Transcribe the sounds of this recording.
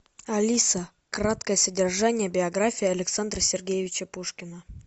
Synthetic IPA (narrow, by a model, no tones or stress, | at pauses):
ɐlʲisə | krat̪kəjəsədʲɪrʐanʲɪjəbʲɪɐɡɾafʲijːɐlʲɪksand̪rəsʲɪrɡʲejɪvʲɪt͡ɕəpuʂkʲɪnə